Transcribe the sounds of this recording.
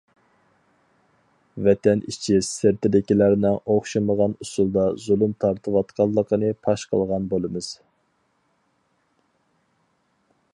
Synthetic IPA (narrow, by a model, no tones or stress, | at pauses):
vɛt̪ʰɛnʔit͡ʃʰisɪɾt̪ʰɪd̪ɪkʲilæɾnɪŋoχʃɨməʁɑnusulˠd̪ɑzulˠumt̪ʰɑɾt̪ʰɨwɑt̪qʰɑlˠːəqʰənɨpʰɑʃqʰə̰lˠʁɑnbolˠɨmɨz̥